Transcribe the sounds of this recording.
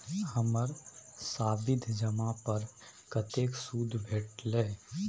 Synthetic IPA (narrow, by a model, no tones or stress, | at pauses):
həməɾsaːbɪd̪ʱd͡ʒəmapəɾ | kət̪eːksuːd̪ʱbʱeːʈleː